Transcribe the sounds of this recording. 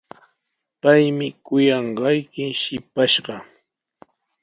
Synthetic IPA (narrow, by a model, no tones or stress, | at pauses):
pajmɪkʊjɑɴɢɑjkɪʃɪpaʃɢɑ